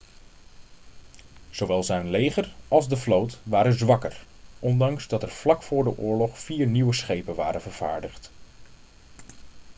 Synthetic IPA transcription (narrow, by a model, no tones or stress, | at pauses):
z̥owʋɛlˠzɛjnlejχərɑlˠzdəflowtʋaːɾənzʋɑkər | ʔɔndɑŋzdɑtəɹv̥lɑkfʊːɹdəʔʊːɹlɔχfiːɹniwəsχejpənʋa̰ːɾənvəɹv̥a̰ːɹdəχt